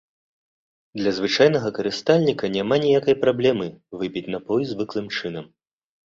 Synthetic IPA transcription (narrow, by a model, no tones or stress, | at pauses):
d̪lʲɐzvɨt͡ʂajnɐɣɐkɐɾɨst̪alʲnʲikɐnʲɛmanʲɛjakɐjpɾablʲɛmɨvɨpʲit͡sʲnɐpɔjzvɨklˠɨmt͡ʂɨnɐm